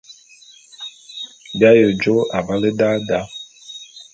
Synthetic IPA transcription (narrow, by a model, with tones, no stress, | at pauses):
bja˦jo˨d͡ʒo˦ʔa˨va˦le˦da˦da˦